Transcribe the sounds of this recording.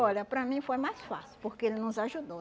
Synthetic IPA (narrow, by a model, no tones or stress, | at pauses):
ɔʎʲɐpɾɐmĩfojmajsfa̰siupoɾkeelɪnʊzaʒud̪o